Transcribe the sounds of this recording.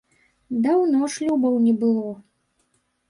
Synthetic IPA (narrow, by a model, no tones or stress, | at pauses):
d̪awnɔʂlʲubɔwnʲɛbɨlˠɔ